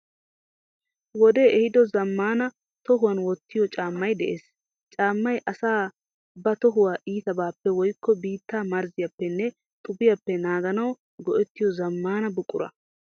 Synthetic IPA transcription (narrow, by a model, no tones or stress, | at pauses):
wɔd̪eːʔɛhɪd̪ɔzɐmːaːnɐ | t̪ɔɦʊwɐnwɔt̪ːɪjɔt͡ʃʼaːmːɐjd̪ɛʔeːs | t͡ʃʼaːmːɐjʔɐsaː | bɐt̪ɔɦʊwaːʔiːt̪ɐbaːpːɛwɔjkʰːɔbiːt̪ːaːmɐɾzɪjɐpːɛnːɛ | t̪ʼʊbɪjɐpːɛnaːɡɐnɐw | ɡɔʔɛt̪ːɪjɔzɐmːaːnɐbʊkʼʊ̰ɾɐ̰